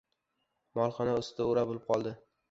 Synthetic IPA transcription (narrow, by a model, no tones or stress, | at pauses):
mɒlˠχɒnaʊst̪ɪd̪aʊɾabolɪp̚qʰɒlˠd̪ɪ